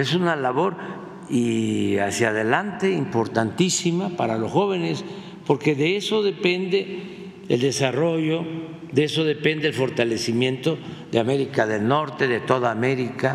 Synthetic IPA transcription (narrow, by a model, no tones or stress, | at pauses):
esunalaβo̞ɾ | iasjaðe̞lant̪e̞impo̞ɾt̪ant̪isimapaɾalo̞sxo̞β̞e̞nes | po̞ɾke̞ðe̞eso̞ðe̞pe̞nd̪e̞ | ðḛld̪e̞saro̞ʝo̞ | ðeeso̞ðe̞pe̞nd̪e̞elfo̞ɾt̪ale̞simje̞nt̪o̞ðeame̞ɾikaðe̞lno̞ɾt̪e̞ðe̞t̪o̞ðaːme̞ɾika